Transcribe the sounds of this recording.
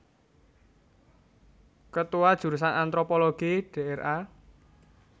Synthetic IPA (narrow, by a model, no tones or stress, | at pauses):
kət̪uad̥ʒ̥ṳɾus̬anant̪ɾopoloɡ̥iɖ̥eɛrʔa